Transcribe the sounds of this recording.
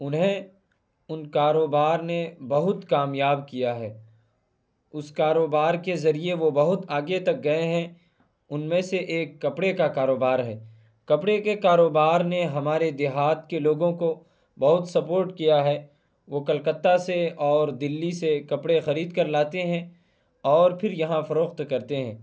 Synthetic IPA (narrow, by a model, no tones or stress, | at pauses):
ʊnɦẽ | ʊnkaːɾoːbaːɾnebɐɦʊt̪kaːmjaːbkijaɦɛː | ʊskaːɾoːbaːɾkezɐɾieʋobɐɦʊt̪aːɡjet̪ɐk̚ɡɐeɦɛ̃ | ʊnmẽseʔeːkːɐpɽekakaːɾoːbaːɾɦɛː | kɐpɽekekaːɾoːbaːɾneɦɐmaːɾed̪ɪɦaːt̪keloːɡõko | bɐɦʊt̪sɐpoːɾʈkijaɦɛ | ʋokɐlkət̪ːaseɔːɾd̪ɪlːisekɐpɽexɐɾiːd̪kɐɾlaːt̪eɦɛ̃ | ɔːɾpʰɪɾjɐɦãfɐɾoːxt̪kɐɾt̪eɦɛ̃ː